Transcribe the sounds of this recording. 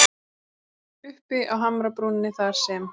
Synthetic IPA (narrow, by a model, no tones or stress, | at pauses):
ʏhpɪʔawɦamɾapɾuːnɪnːɪθaɾ̥sɛm